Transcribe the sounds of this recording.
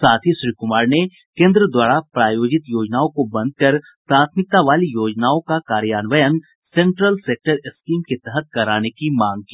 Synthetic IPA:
saːt̪ʰiʃɾiːkʊmaːɾne | kẽːnd̪ɾəd̪waːɾapɾaːjoːd͡ʒɪt̪joːd͡ʒnaːõkobɐ̃nd̪̚kɐɾ | pɾaːt̪ʰmɪk̚t̪aʋaːlijoːd͡ʒnaːõkakaːɾjaːnʋəjən | sẽːɳʈɾəlseːk̚ʈəɾɪskiːmket̪ɛɦɛt̪̚kɐɾaːnekimãːŋɡ̚kiː

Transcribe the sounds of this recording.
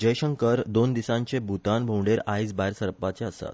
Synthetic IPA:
d͡ʑəjɕəŋkəɾd̪ond̪isãɲt͡ɕebʱut̪anbʱowɖeɾajsbajɾsəɾpat͡seəsa̰t̪

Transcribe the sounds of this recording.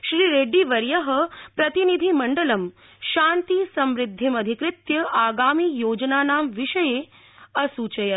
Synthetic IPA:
ʃɾiːɾeːɖiʋɐɾjɐɦəpɾɐt̪inid̪ʱimɐɳɖəlɐm | ʃaːnt̪isɐmɾɪd̪ʱːimɐd̪ʱikɾɪt̪jɐʔaːɡaːmiːjoːd͡ʒnaːnaːmʋiʃɐjeː | ɐsuːt͡ʃɐjɐ

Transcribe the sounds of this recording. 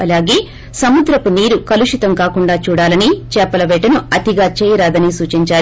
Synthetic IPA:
ɐlaːɡe̞ː | sɐmud̪ɾɐpuniːɾukɐluʂit̪ɐmkaːkuɳɖaːt͡ʃuːɽaːlɐnit͡ʃɛːpːɐlɐʋɛːʈɐnuɐt̪iɡaːt͡ʃɛːjɐɾaːd̪ɐnisuːt͡ʃiɲt͡ʃaː

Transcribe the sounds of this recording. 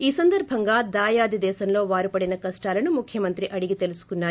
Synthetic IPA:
iːsɐnd̪ɐɾbʱɐŋɡaːd̪aːjaːd̪id̪ɛːsɐmlo̞ːʋaːɾupɐɽinɐkɐsʈaːlɐnumukʰːjɐmɐnt̪ɾiʔɐɽiɡit̪elusu̥kunːaːɾi

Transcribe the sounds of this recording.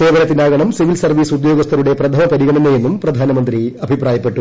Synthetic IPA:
e̞ːʋɐlɐt̪ːinaːɡɐɳɐmsiʋilsɐrʋiːsud̪joːɡɐst̪ʰɐɾuɽe̞prɐt̪ʰɐmɐpɐɾiɣɐɳɐneje̞nːumprɐd̪ʱaːnɐmɐnd̪riɐbʱipraːjɐpːe̞ʈːu

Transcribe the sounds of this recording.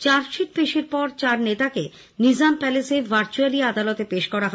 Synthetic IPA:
t͡ɕaɾʃiʈ̚peʃeɾpɔɾt͡ɕaɾnet̪ake | nid͡ʑampɛlesebʱaɾt͡ɕualiad̪alot̪epeʃkɔɾaɦɔe

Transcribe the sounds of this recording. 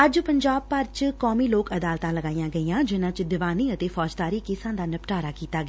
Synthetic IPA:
əd͡ʒpəɲd͡ʒaːb̚pəɾt͡ʃkɔːmiːloːkəd̪aːlt̪ãːləɡaːijãːɡəiːãːd͡ʒɪnãːt͡ʃd̪ɪʋaːniːət̪eːfʰɔːd͡ʒt̪aːɾiːkɪsãːd̪aːnəpʈaːɾaːkiːt̪aːɡː

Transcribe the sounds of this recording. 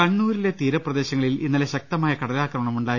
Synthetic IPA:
kɐɳːuːɾile̞t̪iːɾɐprɐd̪e̞ːɕɐŋːɐɭilinːɐle̞ɕɐk̚t̪ɐmaːjɐkɐɽɐlaːkrɐmɐɳɐmuɳɖaː

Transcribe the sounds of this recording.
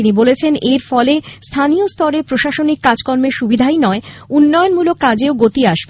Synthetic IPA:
inibolet͡ɕʰeneɾfɔlest̪ʰaniost̪ɔɾepɾoʃaʃonikːad͡ʑkɔɾmeʃubid̪ʱajnɔeunːɔjonmulokːad͡ʑeoɡot̪iaʃb

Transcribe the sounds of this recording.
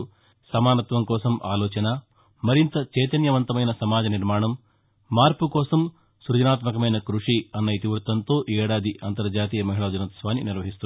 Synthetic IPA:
sɐmaːnɐt̪ʋɐmkɔːsɐmʔa̰ːlɔːt͡ʃɐnɐ | mɐɾint̪ɐt͡ʃɛːt̪ɐnjɐʋɐnt̪ɐmɐjnɐsɐmaːd͡ʒɐniɾmaːɳɐmː | aːɾpukɔːsɐm | suɾd͡ʒɐnaːt̪mɐkɐmɐjnɐkɾuʂiɐnːɐit̪iʋuɾt̪ɐnt̪o̞ːʔɛːɽaːd̪iʔɐnt̪ɐɾd͡ʒaːt̪̬iːjɐmɐɦiɭɐːd͡ʒɐnɐt̪ɐsʋaːniniɾʋɐɦist̪u

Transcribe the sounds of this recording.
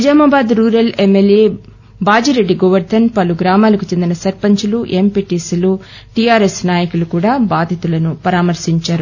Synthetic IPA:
id͡ʒaːmɐːbaːd̪ɾuːɾɐlemːeljeː | baːd͡ʒiɾeɖːiɡoʋɐɾd̪ʰʱɐnpɐluɡɾaːmaːlɐkut͡ʃe̞nd̪inɐsɐɾpɐɲt͡ʃuluʔempiʈislu | ʈijaːɾesnaːjɐkulukuːɽaːbaːd̪ʱit̪ulɐnupɐɾaːmɐɾʃiɲt͡ʃaːɾu

